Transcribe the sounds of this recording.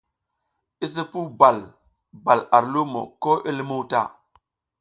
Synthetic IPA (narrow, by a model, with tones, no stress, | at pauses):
i˦s̬ə˦pu˦ba˨l | ba˨la˨ɾlu˦mo̰˨ko˦ʔe˦lmu˦wta̰˦˨